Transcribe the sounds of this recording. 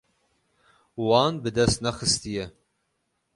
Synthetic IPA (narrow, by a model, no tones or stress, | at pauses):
wɑːnbɨd̪ɛst̪nɛxɨst̪ijɛ